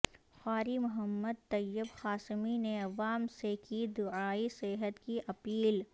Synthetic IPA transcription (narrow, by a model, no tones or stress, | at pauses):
xaːɾimʊɦəmːəd̪̚t̪ɐjːəbxaːsmineɐʋaːmsekid̪ʊaːisɪɦət̪kiʔɐpiːl